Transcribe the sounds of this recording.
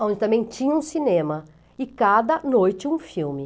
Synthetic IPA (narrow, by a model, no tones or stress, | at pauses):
õd͡ʒɪt̪ɐ̃mbẽj̃t͡ʃĩɲɐũsinẽmɐ | ɪkad̪ɐnojt͡ʃɪũfiwmɪ